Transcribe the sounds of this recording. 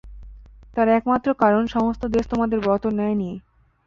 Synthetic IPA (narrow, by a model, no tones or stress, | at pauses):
t̪aɾɛkmat̪ːɾokaɾonʃɔmost̪ʰod̪est̪omad̪eɾbɔt̪onɛenie